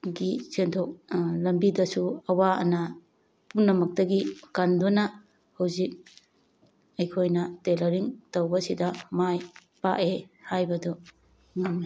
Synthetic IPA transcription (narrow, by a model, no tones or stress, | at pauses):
ɡisentʰok̚lɐmbidɐsuɐwaɐ̰nɐ | punːɐmɐk̚tɐɡikandunɐ | hawzik̚ | ɐjkʰojnɐtelɐɾiŋtowbɐsidɐmaj | pa̰ʔehajbɐdu | ŋaŋ